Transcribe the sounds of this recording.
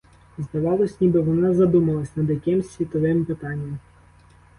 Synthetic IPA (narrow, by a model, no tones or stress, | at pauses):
zd̪ɐʋɑlˠɔsʲnʲibɪʋɔnɑzɐd̪umɐlˠɐsʲnɐd̪jɐkɪmsʲʋʲit̪ɔʋɪmpɪt̪ɑnʲːɐm